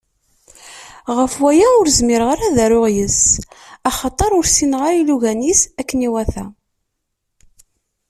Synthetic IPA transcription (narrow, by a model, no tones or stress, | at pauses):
ʁəfwæjæʊɾzmɪɾʁaɾæðæɾʊʁjəsɑχɑt̪ˤɑɾˤʊɾsinʁaɾiluʝænisækːəniwæθæ̰